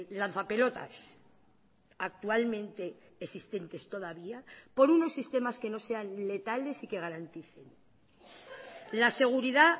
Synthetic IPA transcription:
lan̟θape̞lo̞t̪a̰s | ak̚t̪ualmẽ̞nt̪e̞ː | sist̪e̞nt̪e̞st̪o̞ðaβiapo̞ɾuno̞sːist̪e̞maske̞no̞se̞anle̞t̪ale̞sike̞ɣ̞aɾant̪iθe̞n | lase̞ɣ̞uɾiða

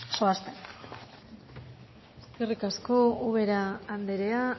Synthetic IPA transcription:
soast̪en | eskerikasko̞uβ̞e̞ɾaːnd̪eɾea

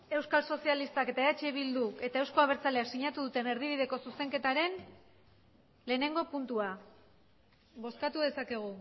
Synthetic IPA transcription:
e̞wskalso̞sialist̪ake̞t̪aeat͡ʃeβild̪ue̞t̪aewsko̞aβ̞e̞ɾt͡sale̞aksiɲat̪uðut̪e̞ne̞ɾð̞iβ̞iðe̞ko̞suse̞ŋke̞t̪aɾe̞n | le̞ːne̞ŋɡo̞punt̪ua | βo̞skat̪uðe̞sake̞ɣ̞u

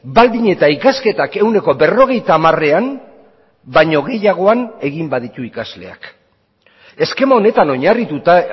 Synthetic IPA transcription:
bald̪iɲe̞t̪aikaske̞t̪ake̞wne̞ko̞be̞ro̞ɣ̞e̞jt̪aːmare̞am | baɲo̞ɣe̞jaɣ̞o̞ane̞ɣimbaðit̪uikazle̞̰a̰k | e̞ske̞maone̞t̪ano̞ɲarit̪ut̪a

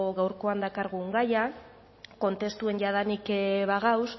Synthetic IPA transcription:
ɣawɾko̞and̪akaɾɣuŋɡaja | ko̞nt̪e̞st̪ue̞nʝaðanikeβaɣaws

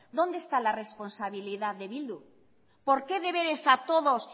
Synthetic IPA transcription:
d̪o̞nd̪est̪alare̞spo̞nsaβ̞iliðaððe̞βild̪u | po̞ɾke̞ðe̞βeɾe̞sat̪o̞ðo̞s

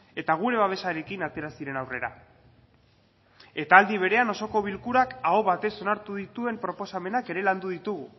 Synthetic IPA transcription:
e̞t̪aɣ̞uɾe̞βaβ̞e̞saɾe̞kinat̪e̞ɾasiɾe̞nawre̞ɾa̰ | e̞t̪aːld̪iβ̞e̞ɾe̞ano̞so̞ko̞βilkuɾakao̞βat̪e̞so̞naɾt̪uðit̪ue̞mpɾo̞po̞same̞nake̞ɾe̞land̪uðit̪uɣ̞u

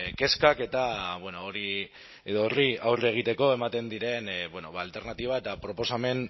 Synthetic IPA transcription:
ke̞skake̞t̪aβwenooɾi | eðooriawreɣ̞it̪e̞ko̞e̞mat̪e̞nd̪iɾe̞nbweno̞βaːlt̪e̞ɾnat̪iβ̞ae̞t̪apɾo̞po̞same̞n

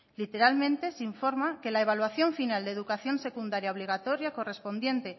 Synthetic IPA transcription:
lit̪e̞ɾalmẽ̞nt̪e̞siɱfo̞ɾmake̞lae̞β̞alwaθjo̞ɱfinald̪e̞ðukaθjo̞nse̞kund̪aɾjaoβ̞liɣ̞at̪o̞ɾjako̞re̞spo̞nd̪je̞nt̪e̞

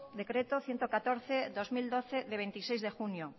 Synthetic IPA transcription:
d̪ekɾet̪oθjent̪okat̪oɾθed̪ozmild̪oθeðeβent̪isejzðexunjo

